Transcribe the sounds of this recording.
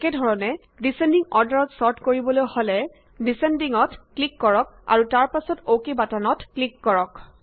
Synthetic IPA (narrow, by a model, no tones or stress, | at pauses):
kɛdʱɔɹɔnɛ | disendiŋɔɹdaɹɔtsɔɹtkoɹibɔlojholɛ | disendiŋɔtklikːɔɹɔk̚a̰ɹutaɹpasɔtokebatanɔtklikːɔɹɔk